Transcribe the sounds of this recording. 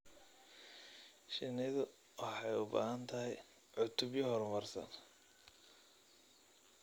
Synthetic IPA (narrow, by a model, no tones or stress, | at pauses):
ʃɪnɪðʊ | wɑħɑjʊba̰ːhɐnt̪ʰɐɦɛj | ʕʊt̪ʰʊbjɐɦɔrmɐrsɐ̰n